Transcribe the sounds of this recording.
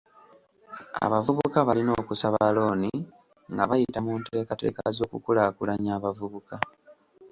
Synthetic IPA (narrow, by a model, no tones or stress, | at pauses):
a̰βavuβukaβalino̞ːkusaβalo̞ːni | ŋɡaβajitamunte̞ːkate̞̰ːkazo̞ːkukulakulaɲaːβavuβuka